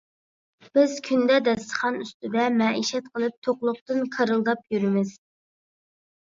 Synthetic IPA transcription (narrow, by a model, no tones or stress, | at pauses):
b̥ɪz̥kʲʰynd̪ɛd̪ɛst̪ə̥χɑnyst̪ɪd̪ɛmɛiʃɛt̪̚qʰəlˠɨp̚t̪ʰoqlˠʊχ̚t̪ɨnkʰɑɾɨlˠd̪ɑpjyɾɪmɪz̥